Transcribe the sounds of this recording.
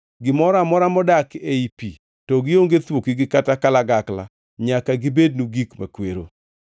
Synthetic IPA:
ɡɪmɔɾamɔɾamɔdakeipi | tɔɡɪoŋɡet̪wokiɡɪkatakalaɡakla̰ | ɲakaɡɪbednuɡikma̰kweɾo̰

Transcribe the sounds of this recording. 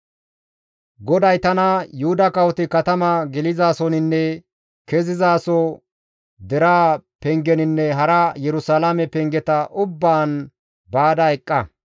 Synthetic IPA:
ɡɔd̪ɐjt̪ɐnɐjʊhʊd̪ɐkɐwɔt̪ɪkɐt̪ɐmɐɡɛlɪzaːsɔnɪnːɛ | kɛzɪzaːsɔ | d̪ɛɾaːpɛŋɡɛnɪnːɛɦɐɾɐjɛɾʊsalamɛpɛŋɡɛt̪ɐʔʊbːaːn | baːd̪ɐɛkʼːɐ

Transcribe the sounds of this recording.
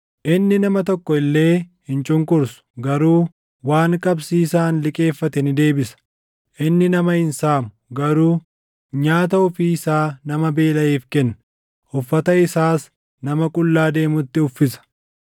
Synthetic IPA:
ʔɪnːɪnɐmɐt̪̬ɔkːɔɪlːe̞ːhɪnt͡ʃʼʊŋkʼʊɾsʊ̥ɡɐɾuː | waːŋkʼɐbsiːsaːnlɪkʼe̞ːfːɐt̪ɛnɪd̪e̞ːbɪsɐ̥ | ʔɪnːɪnɐmɐɪnsaːmʊɡɐɾuː | ɲaːt̪ɐʊfiːɪsaːnɐmɐbe̞ːlɐeːfkɛnːɐ | ʊfːɐt̪ɐɪsaːs | nɐmɐkʼʊlːaːd̪e̞ːmʊt̪ːɪʊfːɪsɐ̥

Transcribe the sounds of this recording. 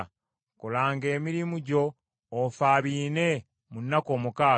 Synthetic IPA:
kolaːŋɡe̞ːmiɾimuɟo̞ː | faːβiːne̞ | munːako̞ːmukaː

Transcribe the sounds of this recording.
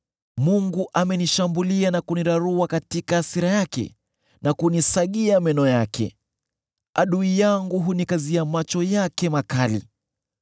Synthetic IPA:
muŋɡuʔamɛniʃambulianakuniɾaɾuakatikaːsiɾajakɛ̰ | nakunisaɠiamɛnɔjakʰɛ̰ | a̰ɗuijaŋɡuɦunikaziamat͡ʃɔjakɛmakalḭ

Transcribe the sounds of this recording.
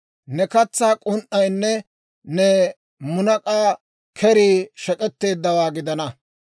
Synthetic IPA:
nɛkɐt͡sːaːkʼʊnʔɐjnːɛ | nɛ | mʊnɐkʼaː | kʰɛɾiːʃɛkʼɛt̪ːe̞ːd̪ːɐwaːɡɪd̪ɐnɐ

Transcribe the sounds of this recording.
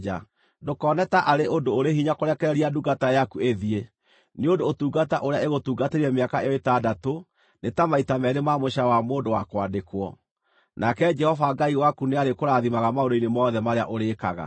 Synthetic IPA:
a̰ | dokɔːnɛtaʔaɾeʔondoːɾehiɲakoɾɛkɛɛɾiaduɡatajakueðie | neondoːtuːɡataʔoɾeaeɣotuːɡateɾiɛmeakaejɔetadato | netamaitamɛðemamoɕawamoːndowakwadekwɔ | nakɛd͡ʒɛhɔvaɡaiwakuneaɾekoɾaðimaɣamaoɾoinemɔːðɛmaɾea̰ʔoɾeka̰ɣa̰

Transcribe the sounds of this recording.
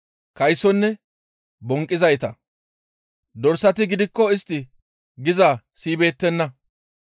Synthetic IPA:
kɐjsɔnːɛ | bɔŋkʼːɪzɐjt̪ɐ | d̪ɔɾsɐt̪̬ɪɡɪd̪ɪkːɔɪst̪ːɪ | ɡɪza | siːbe̞ːt̪ːɛnːɐ

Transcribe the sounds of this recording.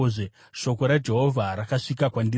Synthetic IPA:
ʐe | ʃo̞ko̞ɾad͡ʒe̞ɦovʱaɾakaʂikakwandi

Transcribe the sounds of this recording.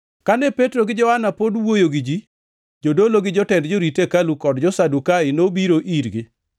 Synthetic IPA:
kanɛpetɾoɡɪd͡ʒɔhanapodwojoɡɪd͡ʒi | d͡ʒodoloɡɪd͡ʒɔtɛndd͡ʒoɾitekalukɔdd͡ʒɔsadukaɪnobiɾoʔiɾɡɪ

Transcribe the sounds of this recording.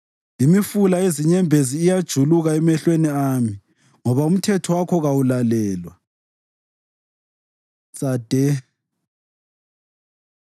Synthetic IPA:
imifulaeziɲɛmbʱeziːjad̥ʒ̥ʱuluɣaɛmɛɬweniaːmi | ŋɔβaum̩tʰɛtʰɔwakʰɔɣawulalɛːlwa | t͡sʼad̥ʱɛ

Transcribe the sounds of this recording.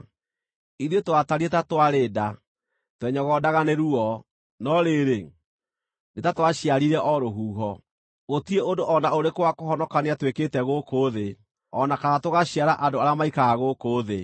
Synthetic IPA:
iðiotowataɾietatwaɾeːda | twɛɲɔɣɔdaɣaneɾuɔ | nɔɾeɾe | netatwaɕiaɾiɾɛʔɔɾoɦuːɦɔ | ɣotieondoʔɔnaoɾekowakoɦɔnɔkaneatweketɛɣokoðe | ɔnakaɣatoɣaɕiaɾaʔadoaɾeamaikaɣaɣokoðe

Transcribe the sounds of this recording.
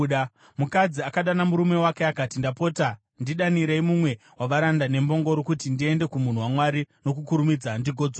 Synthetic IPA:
mukad͡ziakaɗanamuɾume̞wake̞akatindapo̞ːta | ndiɗaniɾeimumwe̞ | waʋaɾandane̞mbo̞ŋɡo̞ɾokutindie̞nde̞kumun̤uwamwaɾino̞kukuɾumid͡zandiɡʱo̞d͡zwa

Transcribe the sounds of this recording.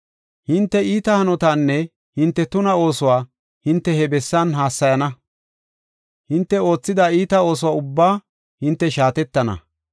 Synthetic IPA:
hɪnt̪ːɛiːt̪ɐhɐnɔt̪aːnːɛ | hɪnt̪ːɛt̪ʊnɐo̞ːsʊwaː | hɪnt̪ːɛɦɛbɛsːɐnɦaːsːɐjɐnɐ | hɪnt̪ːɛo̞ːt͡sːɪd̪aiːt̪ɐo̞ːs̬ʊwaːʊbːaː | hɪnt̪ːɛʃaːt̪ɛt̪ːɐnɐ̰

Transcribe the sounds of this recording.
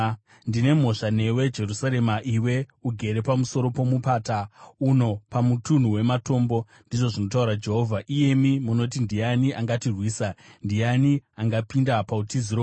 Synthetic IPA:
ndine̞m̤o̞ʂane̞we̞d͡ʒe̞rusaɾe̞maʔiwe̞uɡʱe̞ɾe̞pamuso̞ɾo̞po̞mupaːtauno̞pamutun̤uwe̞mato̞ːmbo̞ | ndiʐo̞ʐino̞tauɾad͡ʒe̞ɦo̞vʱaʔije̞mimuno̞t̬indijaniʔaŋɡatirwiːsandianiaŋɡapindapautiziro

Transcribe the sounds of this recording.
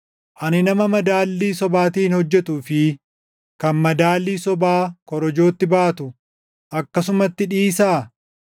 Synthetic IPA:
ʔɐnɪnɐmɐmɐd̪aːlːiːsɔbaːt̪iːnhɔd͡ʒːɛt̪uːfɪ | kɐnmɐd̪aːlːiːsɔbaːkɔɾɔd͡ʒo̞ːt̪ːɪbaːt̪ʊ | ʔɐkːɐs̬ʊmɐt̪ːɪᶑiːsaː

